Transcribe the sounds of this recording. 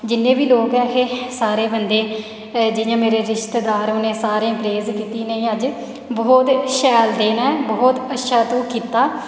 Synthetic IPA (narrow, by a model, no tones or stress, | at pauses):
d͡ʒɪnːẽːbiːloːkɛːkesaːɾeːbənd̪eː | d͡ʒɪjãːmeːɾeːɾɪʃt̪eːd̪aːɾoneːsaːɾẽːpɾeːzkiːt̪iːneːəd͡ʒ | bɔːt̪ʃɛːld̪eːnaːɛbɔːt̪ətːʃʰaːt̪õːkiːt̪aː